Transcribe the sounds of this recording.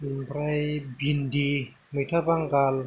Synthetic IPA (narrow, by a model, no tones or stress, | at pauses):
pɾajbindi | mɯt̪ʰabaŋkal